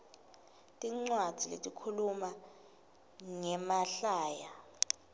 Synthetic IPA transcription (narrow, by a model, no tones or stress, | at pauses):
tʼiŋ͡ǀwad̥ʱilḛtʼikʰuluma | ŋɛmaɬaːja